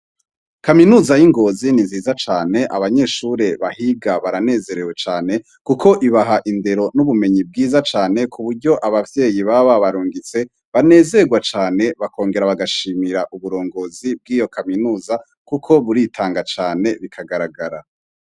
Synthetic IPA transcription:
kaminuːzajiŋɡo̞ziniziːzat͡ʃaːne̞ʔa̰βaɲe̞ːʃuɾe̞βahiɡaβaɾane̞ːze̞ɾe̞we̞t͡ʃaːne̞ | kukʰo̞ʔiβaɦaʔinde̞ɾo̞nuβume̞ɲib̚ɡiːzat͡ʃaːne̞kʰuβuɾɟo̞ʔaβavje̞ːjiβaβaβaɾuːŋɡit͡se̞ | βane̞ːzeɡwat͡ʃaːne̞βakʰo̞ːŋɡe̞ɾaβaɡaʃiːmiɾaʔuβuɾo̞ːŋɡo̞zib̚ɡiːjo̞kaminuːza | kukʰo̞βuɾitʰaːŋɡat͡ʃaːne̞βikʰaɡaɾaɡaɾa

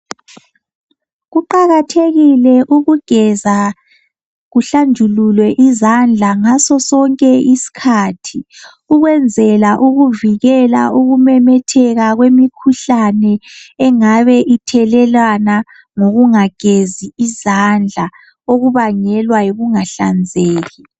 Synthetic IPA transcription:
ɣuǃaɣatʰeɣilɛʔuɣuɡ̥ʱɛza | ɣuɬand͡ʒʱululwɛʔizand͡ɮʱaŋasɔsɔŋkʼɛʔisi̥kʰaːtʰi | uɣwɛnd͡zʱɛlaʔuɣuviɣɛla̰ʔuɣumɛmɛtʰɛɣaɣwemikʰuɬanɛːŋaβɛʔitʰɛlɛlana | ŋoɣuŋaɡ̥ʱeziizand͡ɮʱa | oɣuβaŋɛlwajiɣuŋaɬa̰nd͡zʱeːɣi

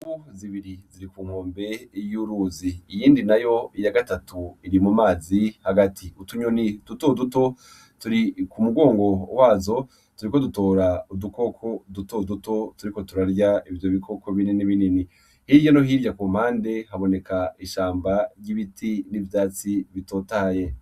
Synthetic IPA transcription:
uziβiɾiziɾikuːŋ̥ho̞ːmbe̞juɾuziːjiːndinajo̞ijaɡatatʰuiɾimumaːzihaɡatʰiutuɲonid̥utoduto̞ | tuɾikumuɡo̞ːŋɡo̞waːzo̞ | tuɾikoduto̞ːɾauduko̞kʰo̞duto̞duto̞tuɾiko̞tuɾaɾjaivjo̞βikʰo̞kʰo̞βininiβinini | hiːɾjano̞ɦiːɾɟakuːm̥haːnde̞haβo̞ne̞kaiʃaːmbaɾjiβitʰinivjaːt͡siβito̞ːtaje̞

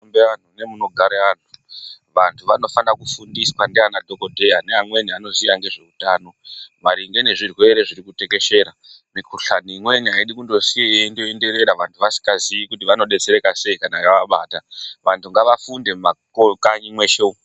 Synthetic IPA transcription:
ombean̤une̞muno̞ɡʱaɾean̤uʋantʰuʋano̞fanakufundiswandeanadʱo̞ko̞dʱe̞janeamwe̞niano̞zijaŋɡe̞ʐe̞utaːno̞maɾiŋɡe̞ne̞ʐirwe̞ɾe̞ʐiɾikute̞ke̞ʃe̞ɾa | mikuɬanimwe̞niɦaiɗikundo̞sijendoende̞ɾe̞ɾaʋantʰuʋasi̥ŋɡaziikut̬iʋano̞ɗe̞t͡se̞ɾe̞kase̞ikanajaʋaɓaːtaʋantʰuŋɡaʋafunde̞makokaɲimwe̞ʃeu

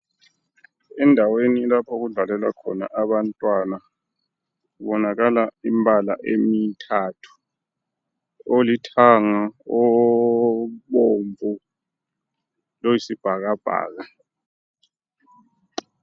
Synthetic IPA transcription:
ɛndʱaweniːlapʰɔk̬uɮalɛla̰kʰɔ̰na̰ʔaɓantʼwana | kuɓɔnak̬alaimbʱala̰ʔemitʰatʰu̥ | olitʰaŋaɔ | ɓoɱvu | lojisib̥ʱak̬ab̥ʱa̰ːk̬a

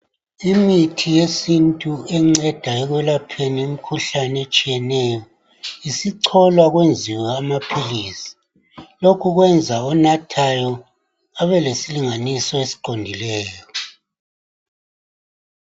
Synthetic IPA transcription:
imitʰijesintʼuɛŋ͡ǀɛd̥ʱaɛɣwɛlapʰenium̩kʰuɬanet͡ʃʼijɛnɛjɔ | isiǀʰɔlwaɣwend͡zʱiwɛamapʰiliːsḁ | lokʰuɣwɛnd͡zʱaɔnatʰajɔ | aβɛlesiliŋanisɔesi̥ǃondʱilɛːjɔ

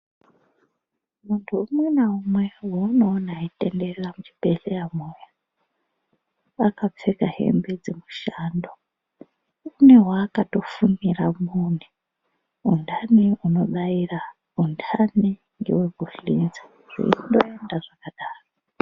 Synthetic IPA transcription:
muntʰuːmwenaumwe̞wouno̞ːnaite̞ndereramut͡ʃi̥pe̞ɬejamoja | akap͡fekaɦe̞̰mbed͡zemuʃando | une̞waːkato̞funiramuni | undaniuno̞ɗaira | undʰani | ŋɡḛweɡʱufinzḁ | ʐ̥ḭiindo̞endaʐakaɗaːro

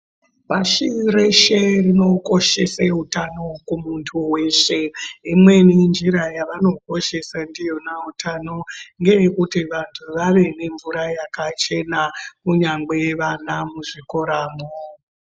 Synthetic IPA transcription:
paʃireʃerino̞ko̞ʃe̞seutano̞kumuntʰuwe̞ːʂe̞imwe̞nend͡ʒiɾajaʋano̞ko̞ʃe̞sandijo̞nautʰano̞ŋɡe̞jekutiʋantʰuʋaʋe̞ne̞ɱvuɾajakat͡ʃe̞nakuɲaŋɡeʋanamuʐiko̞ɾaːmo

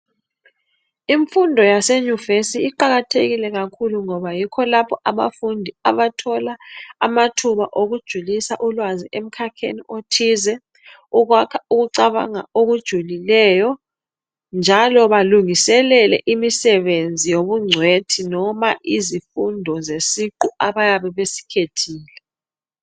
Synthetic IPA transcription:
iɱfundʱɔjaseɲuvesiːǃaɣatʰeɣilɛɣakʰuluŋɔβajikʰɔlapʰɔʔaβa̰fundʱia̰βatʰɔlaːmatʰuβaʔoɣud̥ʒ̥ʱulisaʔulwaziʔem̩kʰakʰḛniotʰizɛ | uɣwakʰauɣuǀaβa̰ŋa̰oɣud̥ʒ̥ʱulilɛjɔ | nd͡ʒʱalɔβaluŋisɛlɛlɛ̰ʔimisɛβend͡zʱijoβuŋ͡ǀʱwetʰinɔmaʔizifundʱɔzesiǃuaβajaβɛβesi̥kʰetʰiːlɛ

